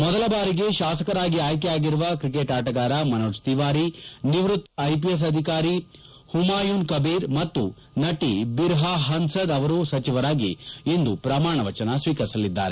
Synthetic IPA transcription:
mɔd̪ɐlɐbaːɾiɡe̞ʃaːsɐkɐɾaːɡiaːjk̬ɛjaːɡiɾuʋɐkɾikeːʈaːʈɐɡaːɾamɐnoːd͡ʒt̪iʋaːɾiniʋɾut̪ɐjpijes̬ɐd̪ʱikaːɾi | humaːjuːnkɐbiːɾmɐt̪ːu | nɐʈibiɾɦaɦɐnsɐd̪ɐʋɐɾuːsɐt͡ʃiʋɐɾaːɡḭend̪upɾɐmaːɳɐʋɐt͡ʃɐnɐsʋiːkɐɾisɐlid̪ːa̰ːɾe

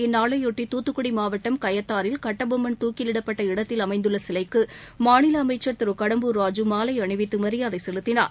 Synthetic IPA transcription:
ɪnːaːɭɐjɔʈːit̪uːt̪ːɯkːʊɽimaːʋɐʈːɐmkɐjɐt̪ːaːɾɪlkɐʈːɐbɐmːɐnt̪uːkɪlɪɽɐpːɐʈːɐɪɽɐt̪ːɪlɐmɐɪnd̪ɯɭːɐsɪlɐɪkːɯmaːɳɪlɐːmɐɪt͡ʃːɐɾt̪ɪɾɯkɐɽɐmbɯɾaːd͡ʒɯmaːlɐɪɐɳɪʋɪt̪ːɯmɐɾɪjaːðɐɪsɛlɯt̪ːɪna̰ːɾ

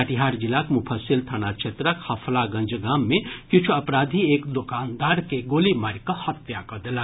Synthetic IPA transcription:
əʈiɦaɾd͡ʒilakmupʰəsilt̪ʰanat͡ʃʰet̪ɾakhɐpʰlaɡɐ̃nd͡ʒɡaːmːẽkĩt͡ʃʰuɐpɾaːd̪ʱiekd̪okaːnd̪aːɾkeɡolimaɾkɔhɐt̪ːjakɐd̪ela

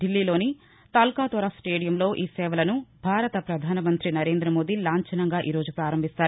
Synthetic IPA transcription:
ɖilːiːlo̞ːni | t̪aːlkaːt̪ʋɐɾɐsʈeːɖijɐmlo̞ːʔiːsɛːʋɐlɐnubʱaːɾɐt̪ɐpɾɐd̪ʱaːnɐmɐnt̪ɾinɐɾe̞ːnd̪ɾɐmo̞ːd̪ilaːɲt͡ʃɐnɐŋɡaːʔiːɾo̞ːd͡ʒupɾaːɾɐmbʱist̪aːɾu

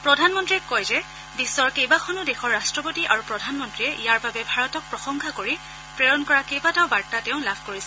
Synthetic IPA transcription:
pɹɔdʱanmɔntɹiɛkːɔjzɛ | bisːɔɹkejbakʰɔnudexɔɹːastɹɔpotiʔaɹupɹɔdʱanmɔntɹiɛʔijaɹbabɛbʱaɹɔtɔk̚pɹɔxɔŋkʰakoɹi | pɹeɹɔnkɔɹakejbataʊbaɹtatɛʊ̃labʰʱkoɹisɛ

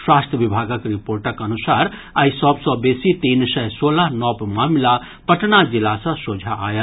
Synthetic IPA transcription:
swast̪ʰəʋibʱaɡakɾipoɾʈakənusaɾ | aːisɔbsɔ̃besit̪insəjsoləɦnɔbmamla | pəʈnad͡ʒilasə̃sod͡ʒʱa̰ːjət̪

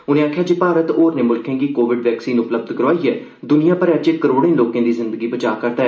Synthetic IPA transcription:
ʊnẽːaːkʰjaːd͡ʒeːpaːɾət̪oːɾneːmʊlkʰẽːɡiːkoːʋɪɖʋɛːksiːnʊpləb̚d̪kəɾʋaːiːɛː | d̪ʊnɪjãːpəɾɛt͡ʃeːəɾoːɽẽːloːkẽːd̪iːzɪ̃nd̪əɡiːbət͡ʃaːkəɾt̪aɛː

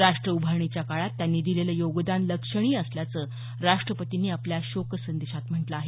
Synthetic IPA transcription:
ɾaʂʈɾəubʱaɾɳit͡ɕjakaɭat̪ːjanːiːd̪ileləjoɡd̪anləkʂəɽ̃iːəsljat͡səː | ɾaʂʈɾəpət̪iniːapljaɕoksənd̪eɕat̪m̤əɳʈləaɦe

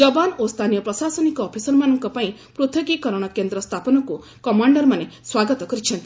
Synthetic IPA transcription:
d͡ʒɔbanost̪ʰanijɔpɾɔsasɔnikɔːpʰisɔɾmanɔŋkɔpaĩpɾot̪ʰɔɡikɔɾɔɽ̃ɔkend̪ɾɔst̪ʰapɔnɔku | kɔmaɳɖɔɾmaneswaɡɔt̪ɔkɔɾit͡ʃʰɔnt̪i̥

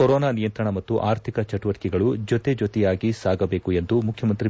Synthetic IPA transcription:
ɔɾɔːnaːnijɐnt̪ɾɐɳɐmɐtt̪ːuʔaːɾt̪ʰikɐt͡ʃɐʈuʋɐʈikɛɡɐɭud͡ʒɔt̪e̞d͡ʒot̪ɛjaːɡisaːɡɐbe̞ːkue̞nd̪umukʰjɐmɐnt̪ɾi

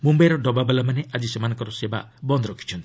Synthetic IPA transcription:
mumbajɾɔɖɔbabalamaneʔad͡ʒisemanɔŋkɔɾɔseba̰bɔnd̪ɾɔkʰi̥t͡ʃʰɔnt̪

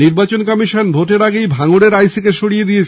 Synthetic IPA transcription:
iɾbat͡ɕonkɔmiʃonbʱoʈeɾaɡejbʱaŋoɽeɾajsikeʃoɽijed̪ijet͡ɕʰ

